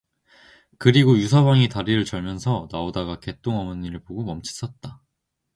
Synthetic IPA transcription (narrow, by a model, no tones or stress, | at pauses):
kɯɾiɡojusʰʌbaŋitaɾiɾɯɭt͡ɕʌɭmjʌnsʰʌnaodaɡake̞t͈oŋʌmɯnːiɾɯɭpoɡomʌmt͡ɕʰi̥s͈ʌt̚t͈a